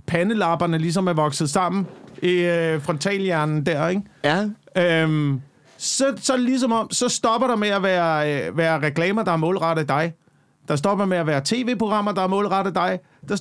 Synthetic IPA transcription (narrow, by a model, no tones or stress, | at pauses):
pʰænəlɑ̈ːb̥ɐnəlis̬ɒ̽mæɐʋɒ̽ɡ̥sð̞̩ˠsɑ̈m̰n̩iøfʁɒ̽nt͡sʰɛ̰ːljæɐ̰nn̩d̥æɐ̰eɡ̥ | øm | sɒ̽sɒ̽lis̬ɒ̽mɒ̽m̰sɒ̽sd̥ɒ̽b̥ɐɾ̥ɑ̈meæʋæːɐʋæːɐʁɛkʰlɛːmɐd̥ɑ̈æɐmɔ̰̽ːlʁɑ̈ɾ̥ð̩ˠd̥ɑ̈ɪ | d̥ɑ̈s̬d̥ɒ̽b̥ɐmeæʋæːɐt͡sʰe̝̰ːʋe̝̰ːpʰʁoɡ̥ʁɑ̈m̰ɐd̥ɑ̈ɐmɔ̽ːlʁɑ̈ɾ̥ð̩ˠd̥ɑ̈ɪ | d̥ɑ̈